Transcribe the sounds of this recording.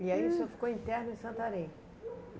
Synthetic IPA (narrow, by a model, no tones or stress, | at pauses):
iaisõfi̥koĩt̪ɛɾnʊẽsɐ̃nt̪aɾẽ